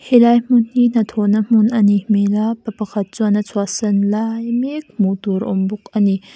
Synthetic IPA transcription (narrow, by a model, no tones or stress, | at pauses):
hilajm̥unhinɐt̪ʰɔnɐm̥unʔɐnimelapɐpɐkʰɐt̪̚t͡suanɐt͡sʰuasɐnlajmɛk̚mut̪uɾʔɔ̰mbʊk̚ʔɐni